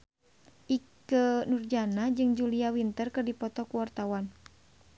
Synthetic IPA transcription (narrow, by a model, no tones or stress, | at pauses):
ʔikənurd͡ʒanad͡ʒɨŋd͡ʒuliawint̪ərkɨrdipɔt̪ɔkuwart̪awan